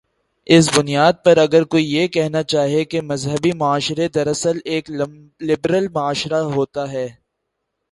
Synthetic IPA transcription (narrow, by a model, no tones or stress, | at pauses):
ɪs̬bʊnijaːd̪̚pɐɾɐɡəɾkoːijekɛɦnat͡ʃaːɦijekemɐzɦəbimʊaːʃɾed̪ɐɾɐsəleːk | lɪbɾəlmʊaːʃɾaɦoːt̪aɦɛː